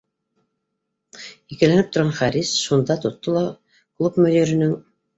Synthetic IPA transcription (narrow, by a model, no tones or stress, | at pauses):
ikɘ̆lænɘp̚t̪ŏɾʁɑnχæɾisʃund̪ɑt̪ŏt̪ːolˠɑ | klˠupmɵ̆ðiɾɘ̆nɘŋ